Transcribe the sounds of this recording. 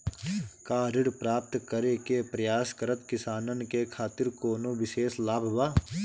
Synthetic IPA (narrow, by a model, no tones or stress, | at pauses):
kaːɾɪɽpɾaːp̚t̪kɐɾekepɾɐjaːskəɾət̪kɪsaːnənkekʰaːt̪ɪɾkoːnoʋɪʃeːslaːbʱbaː